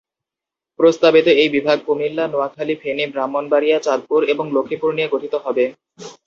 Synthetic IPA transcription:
pɾost̪abit̪oejbibʱaɡ̚komilːanoakʰalifʰenibɾamːonbaɾijat͡ɕad̪̚puɾeboŋlokʰːipuɾnieɡoʈʰit̪oɦɔbe

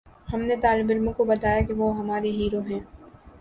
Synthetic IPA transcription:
hɐmnet̪aːlɪbɪlmõkobɐt̪aːjakiʋoɦɐmaːɾeɦiːɾoɦɛ̃ː

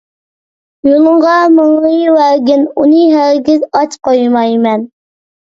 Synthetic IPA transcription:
jolˠəɴʁɑmɨŋlɨjwæɡʲɪnunɨɦæɾɡʲɪzɑt͡ʃqojmɑjmɛn

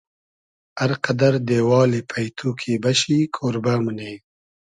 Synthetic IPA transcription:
aɾqad̪aɾd̪eːwɑːlepʰajt̪ʰukʰebaʃikʰoːɾbamune

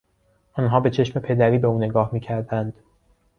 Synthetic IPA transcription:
ɒːnɦɒːbe̞t͡ʃʰe̞ʃme̞pʰe̞d̪æɾiːbe̞uːne̞ɡɒːhmiːcʰæɾd̪ænd̪̥

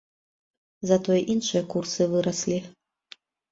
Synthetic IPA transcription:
zɐt̪ɔjɛʔinʂɨjɐkursɨvɨɾɐsʲlʲi

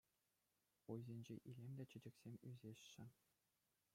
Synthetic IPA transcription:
ujzʲenʲd͡ʑeʔilʲemʲd̪ʲæt͡ɕɘ̆d͡ʑɘ̆kʲsʲemʲyzʲeɕːɘ̆

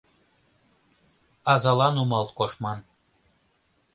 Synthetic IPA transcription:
ɑzɑlˠɑnumɑlˠt̪koʃmɑn

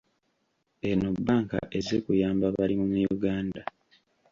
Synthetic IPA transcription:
enobːaːŋka̰ʔezekujaːmbaβalimumujuɡaːnda

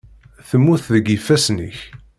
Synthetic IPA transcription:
θəmːuθðəɡifːæsnḭç

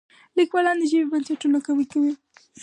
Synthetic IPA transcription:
likwalɑnd̪əʒimebansaʈunakawəkawi

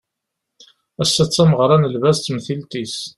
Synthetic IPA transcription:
æsːæt͡sːæməʁɾˤɑnəlvæst̪ːmθilt̪is

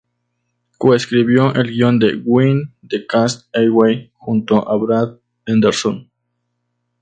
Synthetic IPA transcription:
koeskɾiβjoʔelɡiond̪eɡwind̪ekast̪ewejxunt̪oʔaβɾat̪̚ | end̪eɾson

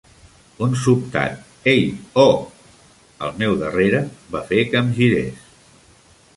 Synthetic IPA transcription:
unsup̚t̪a̰t̪̚ | ejɔ | ə̰lˠmɛwðəreɾəβafekəmʒiɾḛs

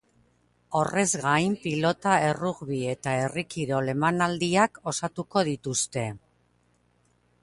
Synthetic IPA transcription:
o̞re̞zɣajmpilo̞t̪ae̞ruɣβie̞t̪ae̞rikiɾo̞le̞manald̪iako̞sat̪uko̞ð̞it̪ust̪e̞

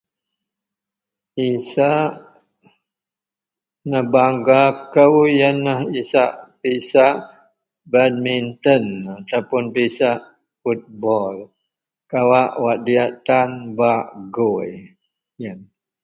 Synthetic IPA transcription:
isaʔ | nəhbaŋɡakəwjənːəhisaʔpisaʔ | bad̚mint̪ənat̪awpʊnpisaʔ | fut̪̚bɔl | kawaʔwaʔdiaʔt̪anbaʔɡoj | jən

